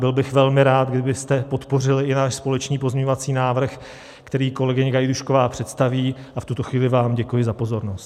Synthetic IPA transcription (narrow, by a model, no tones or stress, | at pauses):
bɪlbɪxvɛlmɪɾaːt̪̚ɡdɪbɪst̪ɛpo̞t̪po̞rɪlɪɪnaːʃspo̞lɛt͡ʃniːpo̞zmɲɛɲovat͡siːnaːvr̩x | kt̪ɛɾiːko̞lɛɡɪɲɪɡajduʃko̞vaːpr̝̥ɛt̪st̪aviː | aft̪ut̪o̞xviːlɪvaːmɟɛkujɪzapo̞zo̞ɾnost̪